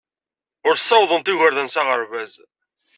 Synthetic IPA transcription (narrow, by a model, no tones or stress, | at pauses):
ʊɾsˤːɑwðˤənt̪ɪʝəɾðənsæʁəɾvæz